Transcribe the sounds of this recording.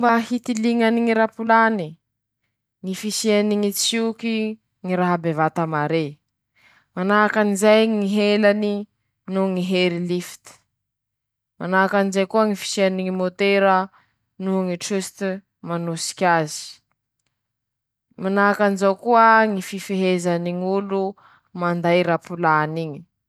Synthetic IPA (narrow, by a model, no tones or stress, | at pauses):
baɦit̪iliŋaniŋiɾapulani | ŋifisianiŋit͡suki | ŋiɾaɦabevat̪amaɾe | manaɦakanizajŋiɦelani | nuŋiɦeɾilifi̥t̪i̥ | manaakanizajkuəŋifi̥sianiŋimot̪eɾə | nuŋiʈ͡ʂist̪ | manusi̥kʲazi̥ | manaɦakanizawkuəŋififeɦezaniŋulu | mand̪ajɾapulaniŋi̥